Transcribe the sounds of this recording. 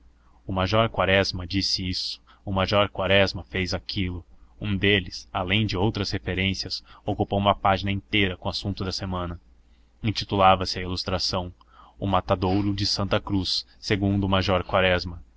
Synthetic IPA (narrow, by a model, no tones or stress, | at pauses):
ʊmaʒɔɾkwaɾɛzmɐd͡ʒisɪisʊ̥ | ʊmaʒɔɾkwaɾɛzmɐfejzakʰilʊũd̪elɪsalẽj̃d͡ʒɪowt̪ɾɐshefeɾẽsiɐsokupowũmɐpaʒinɐẽnt̪ejɾɐkõasũnt̪ʊd̪ɐsemɐ̃nɐ | ĩnt͡ʃit̪ulavɐsɪɐilust̪ɾasɐ̃w̃ | ʊmat̪ad̪owɾʊd͡ʒɪsɐ̃nt̪ɐkɾusː | eɡũnd̪ʊːmaʒɔɾkwaɾɛzmɐ